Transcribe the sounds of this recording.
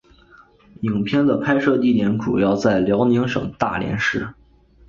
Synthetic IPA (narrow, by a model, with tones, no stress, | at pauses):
i˨˩ŋpʰjɛ˥˩nd̪ə˨pʰa˥ɪʂɤ˥˧t̪i˥˩t̪jɛ˧˥nʈ͡ʂṵ˨˩jɑ˥˧ʊt͡sa˥˩ɪljɑ˧˥ʊni˧˥ŋʂɤ̰˨˩ŋt̪a̰˥˩ljɛ̰˧˥nʂɻ̩˥˩